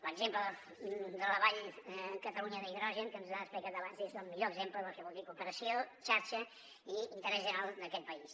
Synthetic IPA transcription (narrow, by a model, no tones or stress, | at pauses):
ləɡzempləð | d̪ələβaʎkət̪əluɲəðəiðɾɔʒəŋkənzaəsplikat̪əβanzezəlˠmiʎoəɡzempləðəfɛβulˠd̪ikupəɾəsiot͡ʃaɾt͡ʃə | iint̪əɾɛzʒəɾalˠd̪əkɛt̪̚pəis